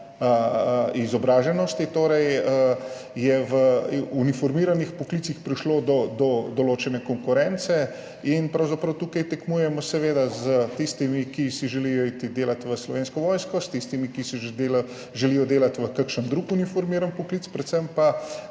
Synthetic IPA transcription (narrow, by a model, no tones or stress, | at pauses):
əizɔbɾaːʒɛnɔst̪it̪oːɾɛjə | jɛʋəunifɔɾmiːɾanixpɔklit̪sixpɾiʃlod̪ɔd̪ɔd̪ɔloːt͡ʃɛnɛkɔŋkuɾɛnt̪sɛ | inpɾɐwzapɾɐwt̪ukɐjt̪ɛkmuːjɛmɔsɛʋeːd̪azət̪ist̪imikisiʒɛlijɔit̪id̪eːlat̪ʋəslɔʋeːnskɔʋɔjskɔst̪ist̪imikisid̪el | ʒɛlijɔd̪eːlat̪ʋəkəkʃənd̪ɾukunifɔɾmiːɾanpɔklit̪pɾɛt̪səmpa